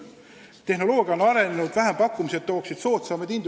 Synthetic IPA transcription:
t̪e̞hno̞lo̞ːɡ̥jɑonɑɾe̞nenud̪̥væɦempɑkːˑumise̞t̪ːo̞ːksid̪̥so̞ːt̪sɑmed̪ind̪

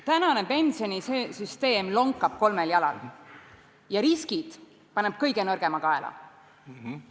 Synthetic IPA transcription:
t̪ænɑne̞pe̞nsio̞nʲisesyst̪e̞ːmlo̞ŋkːˑɑb̥̚ko̞lmeljɑlɑ̰l | jɑɾiskid̪̥ | pɑneb̥̚kɤjɡ̥e̞nɤrɡ̥e̞mɑkɑelɑ̰

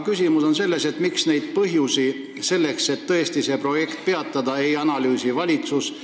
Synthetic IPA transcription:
kysʲimuso̞nse̞lːe̞se̞t̪miksne̞jd̪̥̚pɤɦjusi | se̞lːe̞kse̞t̪ːɤ̞e̞st̪ise̞pro̞je̞kt̪̚pe̞ɑt̪ːˑɑd̪̥ɑe̞jɑnɑlyːsivɑlʲit̪sus

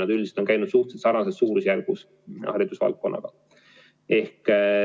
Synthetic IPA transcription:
nɑd̪ylʲd̪ise̥t̪onkæjnud̪̥suht̪set̪sɑrnɑsessuːɾusjærɡ̥us | hɑɾid̪̥usvɑ̰lt̪̚ko̞nːʔɑ̰ɡ̥ɑ | e̞hk

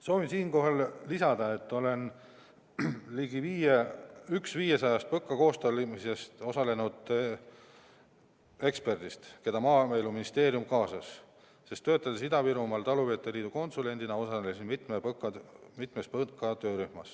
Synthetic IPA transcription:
so̞ːvinsiːnko̞ɦɑllisɑd̪̥ɑe̞t̪ːo̞le̞n | liɡiviːjeyksviːjesɑjɑst̪̚pɤkːˑɑko̞ːst̪olimise̞st̪o̞sɑle̞nud̪̥ | e̞kspe̞rd̪̥ist̪ke̞d̪ɑmɑːmeluminist̪e̞ːɾjumkɑːsɑs | se̞st̪ːø̞ːt̪ːˑɑd̪esid̪ɑviɾumɑlt̪ɑluveːt̪ːˑeliːd̪̥uko̞nsule̞nʲd̪inɑo̞sɑesinmit̪ˑmepɤkːˑɑmit̪mespɤkːˑɑt̪ø̞ːɾyhmɑs

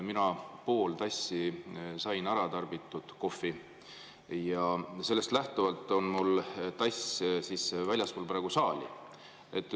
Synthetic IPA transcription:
minɑpo̞ːlt̪ɑsːisɑjnɑɾɑt̪ɑrbit̪ːˑud̪̥ko̞fːi | jɑse̞lːest̪læht̪uvɑlt̪ːˑo̞nmult̪ɑssiːsvælʲjɑsmulpɾɑeɡ̥usɑːlʲḭ | ʔet̪ːˑ

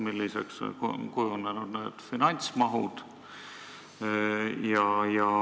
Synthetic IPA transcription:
milːisḛkskujunːenud̪̥neːd̪̥finɑnʲt̪smɑɦud̪̥ | jɑjɑ

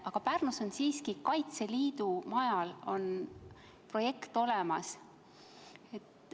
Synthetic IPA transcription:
ɑɡ̥ɑpærnuso̞nsiːskikɑjt̪se̞liːd̪umɑjɑlo̞n | pro̞je̞kt̪o̞lemɑs | e̞t̪

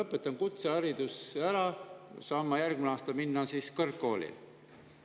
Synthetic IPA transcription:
ɤpːˑet̪ːˑɑnkut̪seɑɾid̪̥usæɾɑsɑːmːɑjærɡ̥̚mineɑːst̪ɑminːɑsiːskɤrkːo̞ːlʲḭ

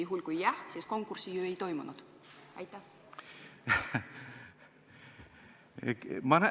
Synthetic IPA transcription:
uɦulʲkujːæhsisko̞ŋkːursijuːejt̪o̞jmunud̪̥ | ɑ̰jt̪ːˑæ | ekmɑn

